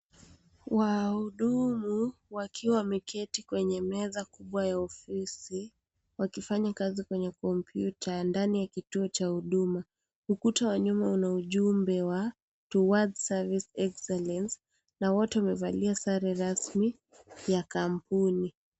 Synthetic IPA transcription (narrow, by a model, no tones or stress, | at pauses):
wauɗumuwakʰiwawamɛkʰɛtikwɛɲɛmɛðakuɓwajaɔfisi | wakifaɲakazikwɛɲɛkɔmpʰjutʰandanijakituɔt͡ʃahuɗuma | ukutawaɲumaunauʄumbɛwa | tuwadsavisɛksɛlɛns | nawɔtɛwamɛvaliasaɾɛɾasmi | jakampuni